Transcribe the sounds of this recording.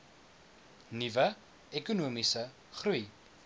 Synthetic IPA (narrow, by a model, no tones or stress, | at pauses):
nivə | ɛkunuəmisə | χruj